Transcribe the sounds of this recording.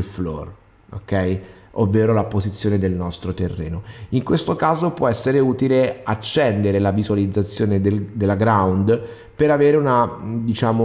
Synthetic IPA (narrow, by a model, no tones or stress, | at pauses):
lflɔ̰r | o̰kːɛj | ʔovːeːɾolapozit̪sːjoːned̪elnɔst̪ɾot̪erːḛːnoiŋkwest̪okaːzopwʔɔɛsːeɾeuːt̪ileat͡ʃːɛnd̪eɾelavizualid̪zːat̪sːjoːned̪eld̪elːaɡɾawnd̪ | peɾaveːɾeunad̪it͡ʃaːmo